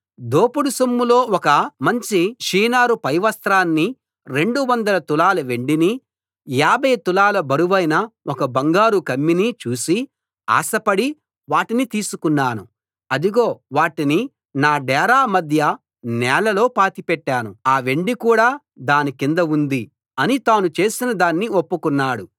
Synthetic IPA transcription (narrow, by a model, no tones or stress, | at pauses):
d̪oːpuɽusomːulo̞ːɔkɐmɐɲt͡ʃiʂiːnaːɾupɐjʋɐst̪ɾaːnːi | ɾe̞ɳɖuʋɐnd̪ɐlɐt̪ulaːlɐʋe̞ɳɖini | jaːbɐjt̪ulaːlɐbɐɾuʋɐjnɐɔkɐbɐŋɡaːɾukɐmːinit͡ʃuːsi | a̰ːsɐpɐɽi | ʋaːʈinit̪iːsukunːaːnu | ɐd̪uɡo̞ːʋaːʈini | naːɖɛːɾaːmɐd̪ʱjɐ | nɛːlɐlo̞ːpaːt̪ipɛʈːaːnuaːʋe̞ɳɖikuːɽaː | d̪aːnikind̪ɐund̪i | ɐnit̪aːnut͡ʃe̞ːsinɐd̪aːnːio̞pːukunːaːɽu